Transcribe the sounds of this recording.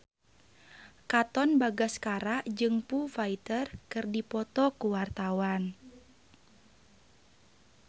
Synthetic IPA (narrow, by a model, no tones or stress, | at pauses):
kat̪ɔnbaɡaskaɾaʔd͡ʒɨŋpufait̪ərkɨrdipɔt̪ɔkuwart̪awan